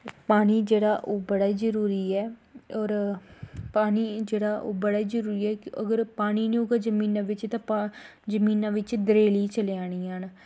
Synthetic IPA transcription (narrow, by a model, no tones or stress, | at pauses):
paːniːd͡ʒeːɽaːʔoːbəɽaːizəɾuːɾiːɛːɔːɾ | paːniːd͡ʒeːɽaːʔo̰ːbəɽaːizəɾuːɾiːɛːkɪə̰ɡəɾpaːniːnẽoːɡad͡ʒəmĩːnãːʋɪt͡ʃt̪ãːpd͡ʒəmiːnãːʋɪt͡ʃd̪əɾeːliːt͡ʃəleaːɽ̃iːaːn